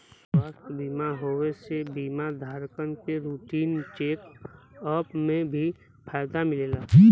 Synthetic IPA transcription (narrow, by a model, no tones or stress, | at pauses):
sswaːst̪biːmaɦoːʋesebiːmad̪ʱaːɾkənkeɾuːʈiːnt͡ʃeːkɔːpmẽbʱi | pʰaːjd̪amɪleːlaː